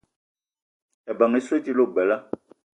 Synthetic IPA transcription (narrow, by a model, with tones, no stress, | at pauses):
ɛ˨ba˨ŋe˨˦swe˦ti˦lo˦˨ɡ͡bɛ˨la˦